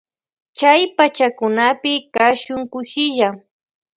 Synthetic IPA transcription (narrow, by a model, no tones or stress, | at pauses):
t͡ʃajpat͡ʃakʊnapɪkaʃʊŋkʊʃɪʎa